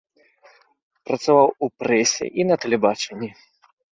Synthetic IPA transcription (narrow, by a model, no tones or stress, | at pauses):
pɾɐt̪savawupɾɛsʲɛ̰ʔinɐt̪ɛlʲɛbat͡ʂɛnʲːi